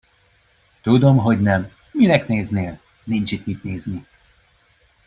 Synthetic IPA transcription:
t̪ud̪o̞mɦo̞ɟnɛm | minɛkneːzneːl | nint͡ʃit̪mit̪neːzni

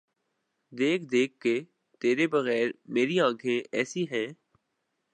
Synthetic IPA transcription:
d̪eːkʰd̪eːkʰːe | t̪eːɾebɐɣɛːɾmeːɾiãːkʰeʔɛːsiɦɛː

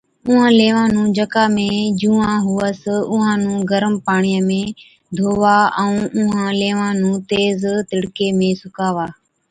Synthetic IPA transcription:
ʊɦãːleːʋãːnũːd͡ʒəkaːmẽːd͡ʒũːãːɦʊːəsʊɦãːnũːɡəɾəmpaːɳ̃ijəmẽː | d̪ʱoːʋaːɛ̃ũːʊɦãːleːʋãːnũːt̪eːzt̪ɪɽkeːmẽːsʊkaːʋaː

